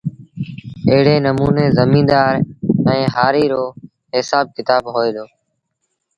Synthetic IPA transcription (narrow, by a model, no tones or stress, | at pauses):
əɦɪɽeːnəmuːneːzəmĩːd̪aːɾɛ̃ːɦaːɾiːɾoː | ɦɪsaːb̚kɪt̪aːbɦoːeːd̪oː